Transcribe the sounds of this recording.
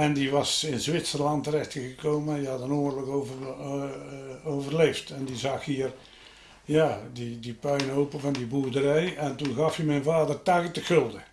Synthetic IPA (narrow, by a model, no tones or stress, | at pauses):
ɛndiʋɑsɪnzʋɪtsərlɑntəɾɛxtəŋɣəkoːmənjəɑtənoːrləkoːvər | owvərleːftɛndizɑxhiːər | jaːdidipœɥnoːpəvɑndibuərdəɾɛjɛntunɣɑfimɛjnvaːdərtaɣətəxʏlˠdə